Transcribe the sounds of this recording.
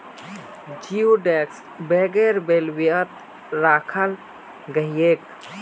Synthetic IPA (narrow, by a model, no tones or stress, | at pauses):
d͡ʒiuɖeks | beɡeɾbelwiət̪̚ | ɾaːkʰəl | ɡəɦijek